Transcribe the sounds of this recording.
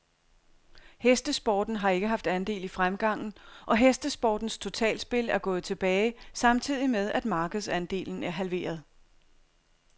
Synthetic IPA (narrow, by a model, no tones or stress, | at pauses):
hesd̥əsb̥ɒːd̥n̩ɦɑ̈e̝ɡ̥əɦɑ̈fd̥ænd̥e̝̰ːlifʁamɡ̥ɑ̈ŋ̰n̩ʔɒ̽ɦesd̥əsb̥ɒːd̥n̩st͡sʰo̝t͡sʰɛ̰ːlsb̥e̝læɐɡ̥ɔ̽ːð̞̩ˠt͡sʰe̝b̥ɛːɪsɑ̈mt͡sʰið̰ˠimeð̞ˠæd̥mɑ̈ːɡ̥əð̞̩ˠsænd̥e̝̰ːln̩æɐɦælʋe̝̰ːɐð̞ˠ